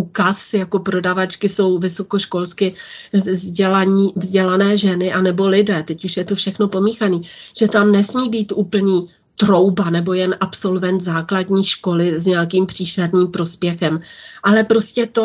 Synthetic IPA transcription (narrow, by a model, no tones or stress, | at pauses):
uːkasjako̞pɾo̞davat͡ʃkɪso̞wvɪsoko̞ʃko̞lskɪzɟɛlaɲiːvzɟɛlanɛːʒɛnɪʔanɛbo̞lɪdɛːt̪ɛcuʃjɛt̪ofʃɛxno̞po̞miːxaniːʒ̥ɛt̪amnɛsmiːbiːt̪ʔuːpl̩ɲiː | t̪ɾo̞wbanɛbo̞jɛnʔapso̞lvɛnt̪zaːkladɲiːʃko̞lɪzɲɛjakiːmpr̝̥iːʃɛdniːmpɾo̞spjɛxɛmʔalɛpɾo̞scɛt̪o